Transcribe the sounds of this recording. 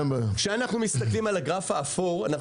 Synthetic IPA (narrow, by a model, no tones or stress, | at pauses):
mʃeanaχnumist̪aklimalaɡʁafaːfoʁana